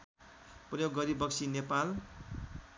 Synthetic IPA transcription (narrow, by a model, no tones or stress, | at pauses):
prʌjoɡːʌɾibʌksʰinepal